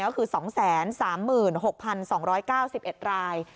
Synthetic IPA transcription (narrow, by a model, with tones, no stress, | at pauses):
kɔː˥˩kʰɯː˧sɔː˩˦ŋsɛː˩˦nsaː˩˦mːɯː˨˩nho˨˩k̚pʰa˧nsɔː˩˦ŋɾɔː˦˥jkaː˥˩wsi˨˩p̚ʔe˨˩t̪̚ɾaː˧j